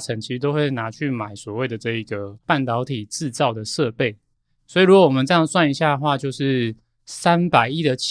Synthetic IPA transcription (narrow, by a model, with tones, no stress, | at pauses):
ʈ͡ʂʰə˧˦ŋt͡ɕʰi˧˥ʂɻ̩˧˥t̪o˥ʊxwe˥˩ɪna˧˥t͡ɕʰy˥˩ma˨˩ɪswɔ˨˩we˥˩ɪd̪ə˩ʈ͡ʂɤ˥˩i˦˥ɡə˨pa˥˨nt̪ɑ˧˦ʊt̪ʰi˨˩t͡sɹɻ̩˥˧t͡sɑ˥˩ʊd̪ə˩ʂɤ˥˧pe˥˩ɪ | swɔ˧˥i˨ɾɻu˦˥ɡwɔ˨˩wɔ˨mə˦nʈ͡ʂɤ˥˧jɑ˥˧ŋswa˥˩ni˧˥ɕja˥˩d̪ə˩xwa˥˧t͡ɕjo˥˧ʊʂɻ̩˥˩ | sa˦npa˨˩ɪi˥d̪ə˨t͡ɕʰ